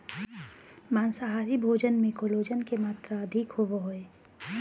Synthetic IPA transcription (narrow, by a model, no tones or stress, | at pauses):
maːnsaɦaːɾibʱoːd͡ʒənmẽkoloːd͡ʒənkemaːt̪ɾaɐd̪ʱikhoʋoɦoeː